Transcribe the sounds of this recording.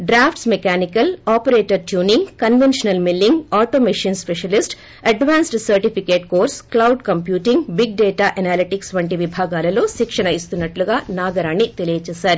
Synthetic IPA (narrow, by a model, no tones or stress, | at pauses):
ɖɾaːpʰʈsmekaːnikɐlaːpɐɾeːʈɐɾtjuːniŋɡkɐnʋenʃɐnɐlmilːiŋɡaːʈoːmiʂiːnspeʂɐlisʈ | ɐɖʋaːnsʈsɐɾʈipʰikeːʈ̚koːɾsklɐwɖkɐmpjuːʈiŋɡbiɡ̚ɖeːʈaːʔɐnaːliʈiksʋɐɳʈiʋibʱaːɡaːlɐlo̞ːsikʂɐnɐjist̪unːɐʈluɡaːnaːɡɐɾaːɳːit̪elijɐt͡ʃɛːsaːɾu